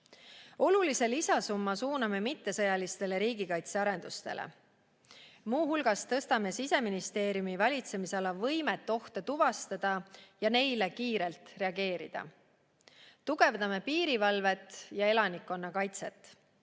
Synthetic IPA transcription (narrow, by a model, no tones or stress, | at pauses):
o̞lulise̞lisɑsumːɑsuːnɑme̞mit̪ːe̞sɤ̞jɑlist̪e̞le̞ɾiːɡikɑjt̪seɑɾe̞nd̪̥ust̪e̞̰lḛ | muːɦulɡ̥ɑst̪ɤ̞st̪ɑme̞sise̞minist̪e̞ːɾijumivɑlʲit̪se̞miseɑlɑvɤjmet̪ːˑo̞ht̪et̪uvɑst̪ɑd̪̥ɑjɑne̞jle̞kiːɾe̞lt̪re̞ɑɡe̞ːɾḭd̪̥ɑ̰ | t̪uɡ̥e̞vd̪ɑme̞piːɾivɑlve̞t̪ːˑjɑe̞lɑnikːˑo̞nːɑkɑjt̪se̞t̪ːˑ